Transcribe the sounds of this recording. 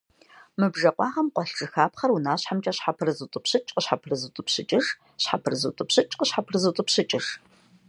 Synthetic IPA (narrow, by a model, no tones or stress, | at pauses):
mɨbʒɐqʷɑːʁɐmqʷɔɬʈ͡ʂʼɨxaːpχɐrunaːɕħamt͡ʃʼɐɕħapʰɨrɨzɨtʼʊpɕɨt͡ʃʼqəɕħapʰrɨzɨtʷʼʊpɕɨt͡ʃʼɨʂ | ɕħapʰɨrɨzɨ̰tʷʼʊpɕɨt͡ʃʼqəɕħapʰrɨzɨtʼʊpɕɨt͡ʃʼɪʂ